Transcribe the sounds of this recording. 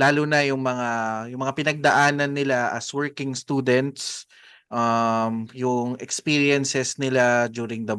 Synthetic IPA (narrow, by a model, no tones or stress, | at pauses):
laːlʊnɐjʊŋmɐŋajʊŋmɐŋapɪnɐɡ̚d̪ɐʔaːnɐnːɪlaʔɐ̰swɛɹkɪŋst̪uːd̪ɛnt̪s | ʔɐmjʊŋʔɛkspiːɹjɛnsɛsnɪlad͡ʒ̪uːɾɪŋd̪ɐ